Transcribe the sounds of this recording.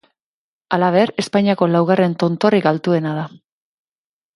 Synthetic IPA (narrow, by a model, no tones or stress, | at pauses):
alaβ̞e̞ɾe̞spaɲiako̞lawɣ̞are̞nt̪o̞nt̪o̞rikalt̪ue̞nað̞a